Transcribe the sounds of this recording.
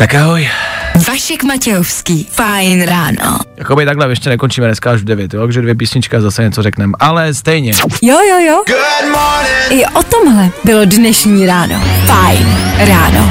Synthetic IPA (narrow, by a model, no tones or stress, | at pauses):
t̪akaɦojvaʃɛkmacɛofskiːfajnɾaːno̰jakobɪt̪aɡlɛvjɛʃcɛnɛkont͡ʃiːmɛnɛskaaʒvdɛvjɛt̪jotkʒɛdvjɛpiːsɲɪt͡ʃkaazasɛɲɛt͡soɾrɛknɛmʔalɛst̪ɛjɲɛjojojoɡʊdmɔnɪnʔɪʔot̪omɦlɛbɪlodnɛʃɲiːɾaːno̰fajnɾaːno̰